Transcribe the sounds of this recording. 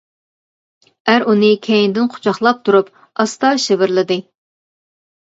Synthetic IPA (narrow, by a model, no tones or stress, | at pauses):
æɾunɨkʲʰɛjind̪ɪnqʰʊ̥t͡ʃʰɑχlˠɑp̚t̪ʰuɾup̚ | ɑst̪ɑʃɪbɪɾlɪd̪ɪ